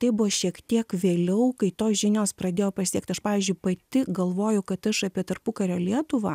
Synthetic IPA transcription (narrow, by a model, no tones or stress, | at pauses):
t̪ɐɪbʊʋɐʃʲiɛkt̪ʲiɛkʋʲeːlʲɛʊkɐɪt̪oːsʒʲɪnʲoːspɾɐd̪ʲeːjoːpɐsʲiɛkt̪ɐʃpɑːʋʲiːzʲd͡ʒʲʊɪpɐt̪ʲɪɡɐlˠʋoːjʊkɐt̪ɐʃɐpʲiɛt̪ɐrpʊkɐɾʲoːlʲiɛt̪ʊʋɑ